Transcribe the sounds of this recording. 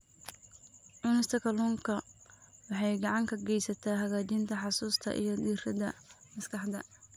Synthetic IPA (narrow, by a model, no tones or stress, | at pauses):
ʔʊnɪst̪ʰɐkʰɐluːŋkʰɐwɑħɑjɡɑʕɑŋkʰɐɡɛjsɐt̪ʰaːɦɐɣaːt͡ʃɪnt̪ʰɐħɑsuːst̪ʰɐ̰ʔḭjɞd̪iːrɐd̪ɐ̰mɐskʰɑħd̪ɐ̰